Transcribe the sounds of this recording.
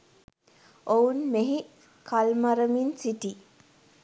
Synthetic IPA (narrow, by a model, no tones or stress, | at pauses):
ounmeɦi | kʰalmaɾəminsiʈi